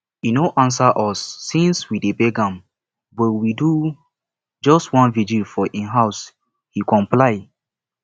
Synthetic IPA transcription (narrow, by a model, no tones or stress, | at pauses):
hinoʔãns̬aʔɔsːĩnswidebeɡãm | bɔtwidu | d͡ʒɔstwãnvid͡ʒilfɔʔĩnɦaʊs | hikɔ̃mplaɪ